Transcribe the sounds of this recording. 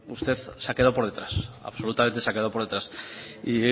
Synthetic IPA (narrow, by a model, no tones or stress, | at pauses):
ust̪e̞θseake̞ðopo̞ɾð̞et̪ɾasa̰βso̞lut̪ament̪esake̞ðopo̞ɾðet̪ɾasi